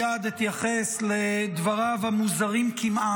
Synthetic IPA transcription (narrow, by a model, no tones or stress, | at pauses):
ad̪it̪jaχesled̪vaʁavamuzaʁimkimʔa